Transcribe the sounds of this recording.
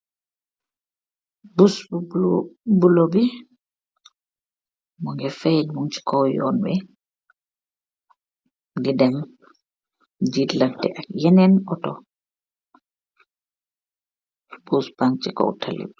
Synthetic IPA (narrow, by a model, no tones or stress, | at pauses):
busb | bulobi | mɔŋɡɛfɛd͡ʒmuŋt͡ʃi̥kʰɔwjɔ̰nbɛ | didɛm | d͡ʒidlantɛ̰ʔakjɛnɛnɔtɔ | buspaŋt͡ʃikɔ̰wtʰalḭb